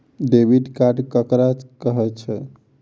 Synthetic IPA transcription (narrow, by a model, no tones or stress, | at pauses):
ɖebʱiɖkaɖkəkɾad͡ʒkəɦɛt͡ʃʰɛ